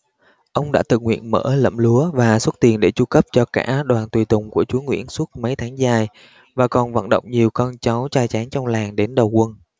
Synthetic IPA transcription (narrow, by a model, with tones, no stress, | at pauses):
ʔə˧wŋ͡mɗa̰ː˧˥t̪ɨ̰˧˨˩ŋwḭ˧˨ənmə̰ː˧˥˩lə̰˧˨mlu˨˦əvaː˨˩swə˦˥t̚t̪i˨˩ənɗe˧˩t͡ɕu˧kə˦˥p̚t͡ɕɔ˧ka̰ː˧˥ɗwaː˨˩nt̪wi˨˩t̪ʊ˨˩ŋ͡mku˧˩ət͡ɕu˨˦əŋwḭ˧˥ənswu˦˥t̚mə˨˦jt̪ʰaː˨˦ŋzaː˧˩j | vaː˨˩kɔ˨˩nvə̰˧˨nɗə̰˧˨wŋ͡mɲi˨˩əwkɔ˧nt͡ɕa˨˦wt͡ɕaː˧jt͡ɕaː˨˦ŋt͡ɕɔ˧wŋ͡mlaː˨˩ŋɗe˨˦nɗə˨˩wkwə˧n